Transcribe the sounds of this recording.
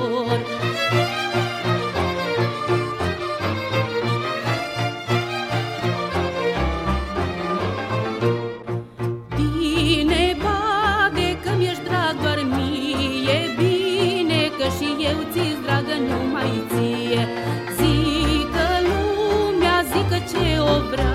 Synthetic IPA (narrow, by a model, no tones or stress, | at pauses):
d̪inebad̪ekɐmjɐʂd̪ɾaɡʋɐɾmijebinekɐʂijewt͡sisd̪ɾaɡɐnumɐjit͡sije | zikɐlumjaːzikɐt͡ʃʰeobɾɐ